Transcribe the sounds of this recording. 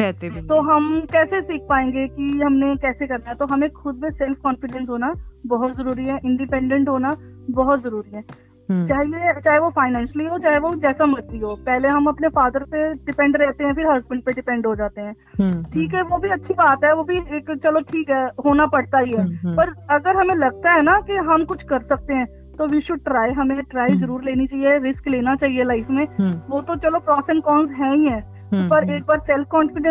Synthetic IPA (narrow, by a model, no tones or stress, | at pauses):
ɛːset̪oːɦɐmkɛːsesiːk̚ʰpaːẽːŋɡekiɦɐmnekɛːsekɐɾnaɦɛt̪oɦɐmekxʊd̪̚besɛlfkɔːnfɪɖɛ̃nsɦoːnabɔɦʊt̪zɐɾuːɾiɦɛʔɪ̃ɳɖɪpɛ̃ɳɖə̃ɳʈɦoːnabɔɦʊt̪zɐɾuːɾiɦɛː | t͡ʃaːɦiet͡ʃaːɦeʋofaːɪnɛ̃ːnʃəliɦoːt͡ʃaːɦeʋod͡ʒɛːsamɐt͡ʃiɦoːpɛɦleɦɐmɐpnefaːd̪əɾpeɖɪpɛ̃ɳɖɾɛɦt̪eɦɛ̃fɪɾɦɐzbə̃ɳɖ̚peɖɪpɛ̃ɳɖɦod͡ʒaːt̪eɦɛ̃ː | ʈʰiːkɦɛʋobʱiɐtːʃʰibaːt̪ɦɛʋobʱieːkt͡ʃɐloʈʰiːkɦɛɦoːnapɐɽt̪aɦiɦɛːpɐɾɐɡəɾɦɐmẽlɐɡ̚t̪aɦɛnakiɦɐmkʊt͡ʃʰkɐɾsɐk̚t̪eɦɛ̃ː | t̪oʋiʃʊɖ̚ʈɾaːɦɐmẽʈɾaːizɐɾuːɾleːnit͡ʃaːɦieɾɪskleːnat͡ʃaːɦielaɪfmẽʋot̪ot͡ʃɐlopɾɔːsɛ̃nkɔːnsɦɛ̃ːĩɦɛ̃ː | pɐɾeːk̚baːɾsɛlfkɔːnfɪɖɛ̃